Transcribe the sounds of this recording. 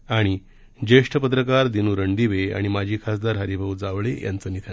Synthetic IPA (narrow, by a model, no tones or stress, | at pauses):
aɽ̃i | d͡ʑeʂʈʰəpət̪̬ɾəkaɾd̪inuːɾəɳɖ̪iʋea̰ɽ̃imad͡ʑʱiːkʰasd̪aɾɦəɾibʱəwd͡zaʋɭejʔa̰nt͡səːnit̪ʰa